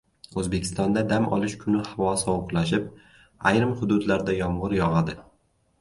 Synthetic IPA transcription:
ɵzbe̞kʲʰɪ̥st̪ɒnd̪ad̪amʔɒ̰lˠɪʃkʰʊnɪhavɒsɒwʊqlaʃɪp̚ | ajɾɪmhʊd̪ʊd̪laɾd̪ajɒmʁɨɾjɒʁɑd̪ɪ

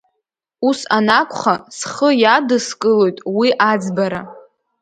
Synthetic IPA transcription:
usanakʷʰʼχasχəjadɨskʼɨlo̞jtʼwiʔad͡zbaɾa

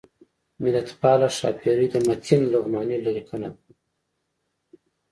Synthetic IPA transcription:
mɪlat̪pɑlaʃɑ̰pʰiɾid̪əmat̪ʰinlʊɣmɑnilaɾikʰəna̰

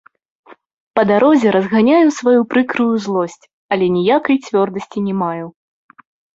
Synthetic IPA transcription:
pɐd̪aɾɔzʲɛɾɐzɣanʲajuwsvajupɾɨkɾɨjuzlˠɔsʲt͡sʲ | ɐlʲɛnʲijakɐjt͡sʲvʲɔrd̪ɐsʲt͡sʲinʲɛmaju

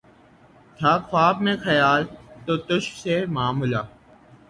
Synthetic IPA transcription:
t̪ʰaːkxʰaːbmẽːxʰəjaːlt̪oːt̪ʊʃseːmaːmulaː

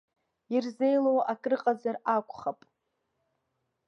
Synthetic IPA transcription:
irze̞jlowʔakʼrɨqʼazarakʷʼχapʼ

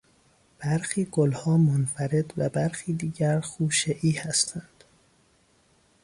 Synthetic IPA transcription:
b̥æɾxiːɡolhɒːmonfæɾe̞d̪væbæɾxiːd̪iːɟæɾxuːʃeʔiːhæst̪ʰænd̪̥

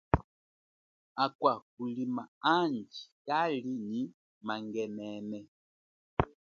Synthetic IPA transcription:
akwak̚ulimaand͡ʒi̥kaliɲi | maŋɡɛnɛnɛ

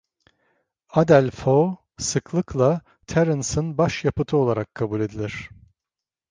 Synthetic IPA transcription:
ad̪ælʲfo | sɯklˠɯklˠa | t̪ʰæɾɯnsɯnbaʃjapɯt̪ʰɯo̞lˠaɾakʰːabulʲe̞d̪ilʲiɾ̝̥

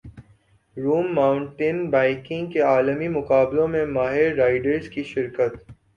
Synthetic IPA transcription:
ɾuːmːaːʊ̃ɳʈɪnbaːɪkɪ̃ŋɡkeaːləmimʊqaːblõmẽmaːɦɪɾːaːɪɖəɾzkiʃɪɾkət̪

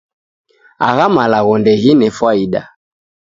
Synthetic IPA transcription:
a̰ɣamalaɣɔndɛɣinɛfwaiɗa̰

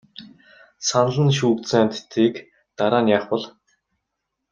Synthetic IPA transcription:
sanɮə̆nʃuːk̚t͡saːnt̪t̪iːk | t̪aɾaːnjaːχpɔ̆ɮ

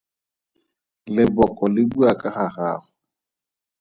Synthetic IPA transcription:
lɪbɔkʼɔlɪbuakʼaχaχa̰ːχʊ

